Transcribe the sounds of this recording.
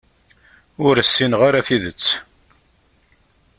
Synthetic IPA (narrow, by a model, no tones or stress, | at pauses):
ʊɾəsːinʁaɾaθiðət͡sː